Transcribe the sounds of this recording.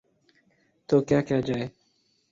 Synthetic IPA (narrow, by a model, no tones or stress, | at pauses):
t̪oːkjaːkjaːd͡ʒaːeː